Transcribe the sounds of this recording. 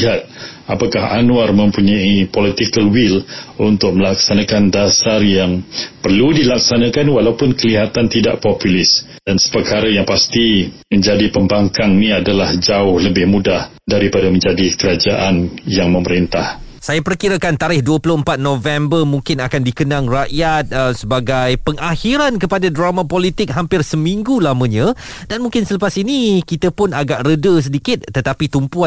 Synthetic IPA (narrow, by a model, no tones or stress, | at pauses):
ɦat̪̚apakaha̰nũarmə̃mpuɲaipolit̪ikəlwilunt̪ʊk̚məlaksanãkandasarjaŋpərludilaksanãkanwalaupʊnkəliɦat̪ant̪ida̰ʔpɔpulɪs | dansə̥pərkaɾəjaŋpast̪imə̃ɲd͡ʒadipəmbaŋkaŋnĩadalahd͡ʒaʊhləbɪhmudah | daɾipadamə̃ɲd͡ʒadikəɾad͡ʒaʔanjaŋmə̃məɾint̪ah | sajapərkiɾakant̪aɾɪhduəplʊhəmpat̪̚nõvɛmbərmũŋkɪnakandikənaŋraʔjat̪̚əsəbaɡajpəŋahiɾankəpadadɾamãpolit̪ɪk̚ɦampɪrsəmĩŋɡulamə̃ɲã | danmuŋkɪnsələpasinikit̪əpʊnaɡaʔrədəs̬ədikɪt̪̚ːət̪apit̪umpua